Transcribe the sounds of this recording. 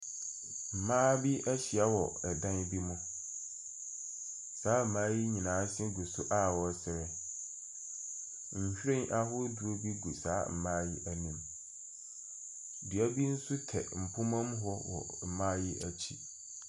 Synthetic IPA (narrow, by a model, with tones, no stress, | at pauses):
m̩˨mãː˦bi˦æ˦ɕi˨a˦wɔ˨ɛ˨dã˦n˦bi˦mũ˦ | saː˨˦m̩˨mãː˦jɪ˦ɲĩ˨nãː˨˦sɪ̃˦ɡu˨sʊ˦ʔa˦˨wɔ˦sɪ˨ɾɛ˨˦ | ɲ̩˨ɕᶣɾẽ˦nʔa˦ɦʊ˦du˨o˦bi˦ɡu˨saː˨˦m̩˨mãː˦jɪ˦ʔæ˦nĩ˨˦m | di˨æ˦bi˦n̩˦sʊ˦tʰɛ̰˨m̩˨pʰʊ̃˦mã˦m˦ɦɔ˦wɔ̰˨m̩˨mã˦jɪ˦ʔæ˦t͡ɕʰḭ˦